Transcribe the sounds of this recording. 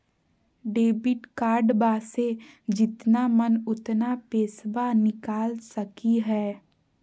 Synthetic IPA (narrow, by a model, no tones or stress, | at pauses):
ɖeːbɪʈkaːɾɖbaːsed͡ʒɪt̪namənʊt̪napeːsbanɪkaːlsəkiɦɛː